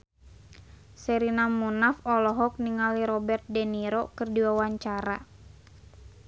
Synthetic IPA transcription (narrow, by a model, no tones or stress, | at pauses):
sɛɾinamunafɔlɔɦɔk̚niŋaliɾɔbɛrt̪̚dɛniɾokɨrdiwawaɲt͡ʃaɾa